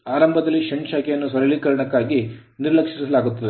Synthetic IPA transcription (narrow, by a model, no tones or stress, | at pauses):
aːɾɐmbʱɐd̪ɐlːiʃɐɳt͡ʃaːkɛjɐnːusʋɐɾɐɭikɐɾɐɳɐkːaːɡiniɾlɐkʂisɐlaːɡut̪ːɐd̪e